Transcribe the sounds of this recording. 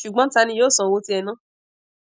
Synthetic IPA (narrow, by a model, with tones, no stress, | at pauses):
ʃu˨ɡ͡bɔ̃˦ta˧nĩ˧jo˦˨sɔ̃˨wo˧ti˧˦ɛ˧nã˦